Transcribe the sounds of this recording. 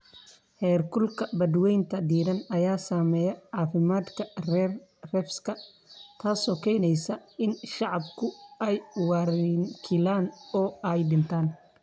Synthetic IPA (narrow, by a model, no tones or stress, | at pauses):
hɛːrkʰʊlkʰɐbɐd̪wɛjnt̪ʰɐd̪iːɾɐnɐjaːsaːmɛːjɐʕɑːfɪmaːd̪kʰɐrɛːrrɛfskʰɐ | t̪ʰaːsɔːkʰɛjnɛjsɐɪnʃɑʕɑbkʰʊɛjwɑɾɪŋkʰɪlaːnɔːɛjɖɪnt̪ʰaːn